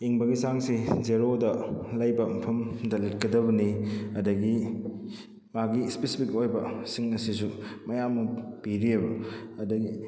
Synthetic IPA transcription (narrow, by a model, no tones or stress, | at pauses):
iŋbɐɡisaŋsizeɾodɐlɐjbɐmɐpʰɐmdɐlit̚kɐdɐβɐniɐdɐɡi | maɡispesipʰik̚ojbɐsiŋɐsis̬umɐjamːɐpiɾiɐbɐɐdɐɡi